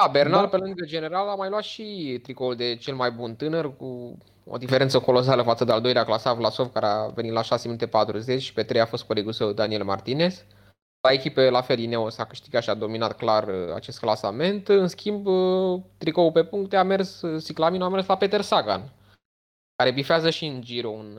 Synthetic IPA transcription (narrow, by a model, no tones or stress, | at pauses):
d̪abe̞rnalpelɨŋɡəd͡ʒe̞ne̞ɾalamajlwat̪ʃit̪ɾikould̪e̞t͡ʃe̞lmajbunt̪ɨnərku | o̰d̪ife̞ɾe̞nt̪səko̞lo̞s̬aləfat̪səd̪eald̪o̞jleaklasavlaso̞vkaɾeave̞nit̪laʃaseminut̪e̞pat̪ɾuze̞t͡ʃʃi̥pet̪ɾe̞jafo̞st̪̚ko̞leɡusewd̪anie̞lma̰rt̪ine̞s | lae̞kʲipelafe̞lineosakɨʃt̪iɡat̪ʃiad̪o̞minat̪klara̰t͡ʃe̞st̪̚klasame̞nt̪ɨnskʲimbt̪ɾikoupe̞puŋkt̪eame̞rssiklaminuame̞rslape̞t̪e̞rsaɡa̰n | kaɾe̞bifeazəʃiɨnd͡ʒiɾoun